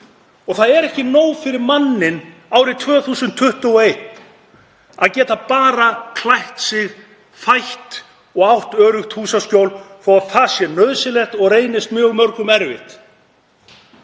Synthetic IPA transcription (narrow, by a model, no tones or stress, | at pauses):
ɔɣθaðɛɾɛhcɪnoːwfɪɾɪɾmanːɪn | aːwɾɪt̪ʰvœːθuːsʏnt̪ʰːʏht̪ʏɔejt̪ | a̰ðcɛːt̪apaːɾakʰlajht̪sɪɣ | fajht̪ | ɔɣawht̪œːɾʏxt̪huːsascowlθɔwaðθasjɛnœðsɪlɛxt̪ɔɣreːjnɪst̪mjœːɣmœɾkʏmɛɾvɪht̪